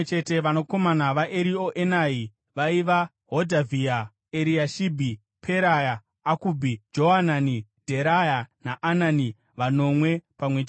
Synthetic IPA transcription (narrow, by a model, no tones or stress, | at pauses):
t͡ʃe̞te̞ʋano̞ko̞manaʋaʔeɾio̞ʔenai | ʋaiʋa | ɦodʱavʱia | eɾiaʃibʱi | pʰe̞ɾajaː | kubʱid͡ʒo̞ɦananid̥ʱe̞ɾajanaʔːnani | ʋano̞mwe̞pamwet͡ʃ